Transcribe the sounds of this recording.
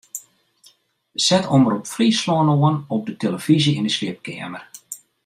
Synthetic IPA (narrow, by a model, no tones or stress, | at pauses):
sɛtʰoməɾɔpfrislɔənoənɔp̚dətʰeləv̥izəindəslɪəp̚kɛ̰əmər